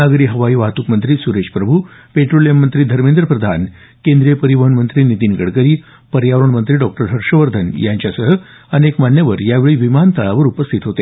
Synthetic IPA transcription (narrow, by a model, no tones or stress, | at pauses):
aɡɾiːɦəʋaiːʋaɦt̪ukmənt̪ɾiːsuɾeɕpɾəbʱupeʈɾolijəmːənt̪ɾiːd̪ʱəɾmend̪ɾəpɾəd̪ʱan | kend̪ɾijəpəɾiʋəɦəɳmənt̪ɾiːnit̪iːnɡəɽkəɾiː | pəɾjaʋɾəɳmənt̪ɾiːɖɔk̚ʈəɾɦəɾʂəʋəɾd̪ʱənjaɲt͡ɕjasəɦə | ənekmanjəʋəɾjaʋeɭiːʋimant̪əɭaʋəɾupəst̪ʰit̪ɦot̪e